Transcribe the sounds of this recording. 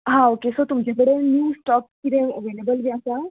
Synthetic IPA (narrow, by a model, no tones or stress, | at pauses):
ɦãokesɔt̪umd͡ʑebəɽenjuːsʈɔpkiɾẽəʋelebəlbiasa